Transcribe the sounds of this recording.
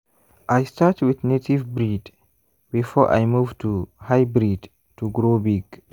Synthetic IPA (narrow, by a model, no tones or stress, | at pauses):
ʔajstatwidnetivbɾid | bifɔɹʔa̰jmuvtʰuhajbɾid | tuɡɾobiɡ